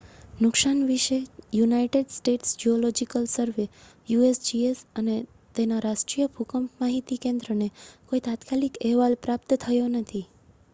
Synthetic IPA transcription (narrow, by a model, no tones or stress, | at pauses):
nʊkʃanʋiʃejunaiʈeɖsʈeʈsd͡ʒiolɔd͡ʒikəlsəɾʋe | juesd͡ʒiesəne | t̪enaɾaʃʈɾijəbʱukəmpmaɦit̪ikẽnd̪ɾənekoit̪at̪kalikɛɦʋalpɾap̚t̪t̪ʰəjonət̪ʰi